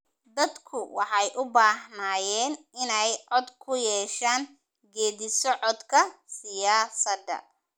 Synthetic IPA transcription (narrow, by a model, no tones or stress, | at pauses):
d̪ɐd̪kʰʊwɑħɑjʔʊbaːɦnaːjɛːn | ɪnɛjʕɔd̪kʰʊjɛːʃaːŋ | ɡɛːðɪsɔʕɔd̪kʰɐsɪjaːsɐd̪ɐ̰